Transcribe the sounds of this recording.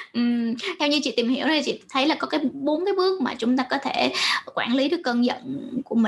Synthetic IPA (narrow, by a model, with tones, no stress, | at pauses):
ʔɨ˨˩mt̪ʰɛ˧wɲɨ˧t͡ɕḭ˧˨t̪i˨˩mhi˧˩əwnʰ˧i˨t͡ɕḭ˧˨˩t̪ʰə˨˦jlaː˨˩kɔ˨˦kaː˨˦jɓo˨˦nkaː˨˦jɓɨ˦˥ək̚maː˨˩t͡ɕʊ˨˦ŋ͡mt̪aː˧kɔ˨˦t̪ʰe˧˩kwaː˧˩nli˨˦ɗɨ˨˦˩kːəː˧nzə̰˧˨nku˧˩əmï˨˩